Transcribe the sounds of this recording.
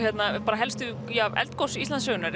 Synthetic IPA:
jɛt̪napaːɾaɦɛlst̪ʏ | javɛ̰lt̪kowsist̪ansœɣʏnʏɾ

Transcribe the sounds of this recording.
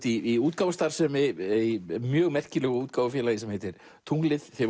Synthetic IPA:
t̪iiuːt̪̚kaːwʏst̪aɾ̥sɛmɛejmjœːɣmɛr̥cɪlɛɣʏuːt̪̚kaːwvʏfjɛlajɪsɛmhɛjt̪ɪɾ̥ | t̪ʰuŋklɪðθɛ

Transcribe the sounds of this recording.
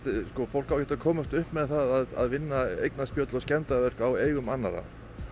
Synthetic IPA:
t̪skɔfowl̥kawcɛht̪akʰɔːmʏst̪ʏhpmɛðθaðaða̰ðvɪnːaḛjknaspjœːt̪lɔscɛnt̪avɛr̥kaweːjɣʏmanːa̰ɾa̰

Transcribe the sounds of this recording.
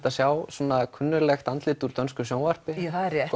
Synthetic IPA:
t̪asjawsuːnakʰʏnːʏɾlɛxt̪ant̪lɪːt̪uɾt̪œnskʏsjoːwnvar̥pɪθaðɛɾjɛ

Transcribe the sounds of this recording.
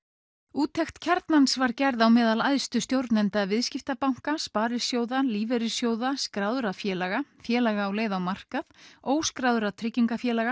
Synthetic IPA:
uːt̪ʰɛxt̪cʰɛɾt̪nansvaɾcɛɾðawmɛːðalajðst̪ʏst̪jowɾt̪nɛnt̪avɪðscɪft̪apawŋ̥kaspaːɾɪsjoːwðaliːvɛɾɪsjoːwðaskɾaːwðʏɾafjɛːlɛɣafjɛːlaɣaːwleːjðawmar̥kaðoːwskɾaːwðʏɾat̪ʰɾɪcːiŋkafjɛːlɛɣa

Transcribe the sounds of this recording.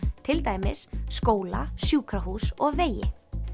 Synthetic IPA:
t̪ʰɪlt̪aːjmɪsːkoːwla̰sjuːkɾaɦuːsɔɣveːjɪ̰

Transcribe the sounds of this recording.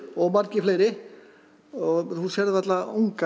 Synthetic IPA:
ɔɣmaɾkɪflejɾɪ | ɔhusjɛɾðʋɛɾt̪lauŋka

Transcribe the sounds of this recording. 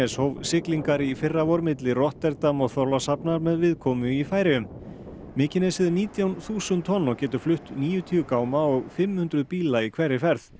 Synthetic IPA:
ɛshoːwvsɪkliŋkaɾifɪrːavɔɾmɪt̪lɪrɔht̪ɛɾt̪amɔɣθɔɾlasapnaɾmɛðvɪðkʰɔːmʏifaːjɾɪʏm | mɪːcɪnɛsɪðʏniːt̪jawnθuːsʏnt̪ʰːɔnːɔɣcɛːt̪ʏ̥flʏht̪niːjʏt̪ʰiːʏkaːwmaɔɣfɪmːhʏnt̪ɾʏðpiːlaikʰvɛrːɪfɛɾθ

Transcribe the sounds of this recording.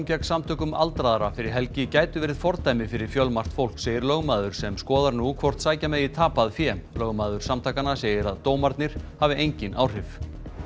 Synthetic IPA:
cɛksamt̪ʰʏːkʏma̰lt̪ɾaðaɾafɪɾɪɾ̥ɦɛlcɪcaːjt̪ʏvɛːɾɪðfɔɾt̪ʰajmɪfɪɾɪɾ̥fjœlmar̥t̪fowl̥kseːjɪɾlœɣmaːðʏɾ̥sɛmskɔːðaɾnukʰvɔr̥t̪saːjcamɛðit̪ʰaːpaðfjɛːmlœɣmaːðʏɾ̥samt̪ʰaːkanaseːjɪɾaðt̪oːwmaɾt̪nɪɾ̥havɪʔejɲcɪnʔa̰ːwr̥ɪv

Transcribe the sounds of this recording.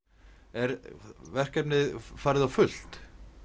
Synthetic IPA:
ɛɾvɛr̥kɛpnɪðfaːɾɪðawfʏl̥t̪

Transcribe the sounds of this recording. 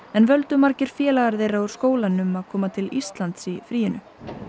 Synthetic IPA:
ɛnvœlt̪ʏmaɾcɪɾ̥fjɛːlaɣaɾðeːjraʏɾ̥skoːwlanʏmaðkʰɔːmat̪ʰɪlist̪lant̪sifɾiːjɪnʏ̰

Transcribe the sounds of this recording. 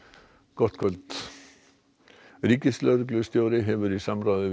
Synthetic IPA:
kɔht̪kʰɔlt̪ | ɾiːkɪslœɾklʏst̪jowɾɪɦɛʋʏɾisamɾaːðʏ

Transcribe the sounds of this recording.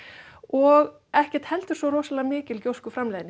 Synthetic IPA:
ɔɣ | ɛhcɛɾ̥t̪hɛlt̪ʏɾ̥svɔrɔːsalamɪːcɪlcowskʏfɾamlɛːðnɪ

